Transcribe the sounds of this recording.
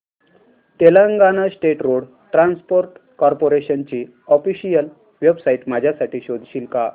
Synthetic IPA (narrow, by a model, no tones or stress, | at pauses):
t̪eləŋɡanasʈeʈɾoɽ | ʈɾãnspoɾʈkɔɾpoɾeɕənt͡ɕiː | ɔfiɕijəl | ʋebsaiʈmad͡ʑʱjasaʈiːɕod̪ʱɕiːlka